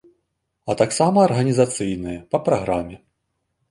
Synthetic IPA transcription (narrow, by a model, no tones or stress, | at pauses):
ɐt̪aksamɐːrɣɐnʲizat̪sɨjnɨjɐpɐpɾaɣɾamʲɛ